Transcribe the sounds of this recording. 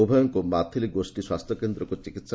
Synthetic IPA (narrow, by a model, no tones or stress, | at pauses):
ubʱɔjɔŋkomat̪ʰiliɡosʈiswast̪ʰjɔkend̪ɾɔŋkot͡ʃikit̪s